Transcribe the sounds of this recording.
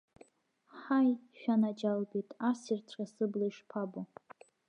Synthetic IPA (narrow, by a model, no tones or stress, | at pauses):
ħajʃᶣanad͡ʒalbitʼasirt͡sʷʰrasɨblaiʂpʰabo